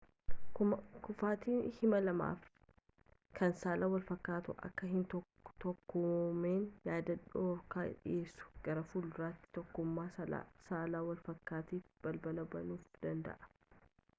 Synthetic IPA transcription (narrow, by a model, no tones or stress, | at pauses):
kʊfaːt̪iːnhɪmɐlɐma̰ːf | kʰɐnsaːlaːwɐlfɐkːaːt̪ʊʔɐ̰kːɐɦɪnt̪ɔ | t̪ɔkːʊmeːnjaːd̪ɐᶑoːɾkaːɪ̰ᶑɪ̰jʔeːsːʊ̥ɡ̥ɐɾɐfuldʊɾaːt̪ːɪ̥t̪ɔkːʊmːaːsɐla̰ːsaːlaːwɐlfɐkːaːt̪iːfb̥ɐlbɐlɐbɐnuːfd̪ɐnd̪ɐ̰ʔɐ̥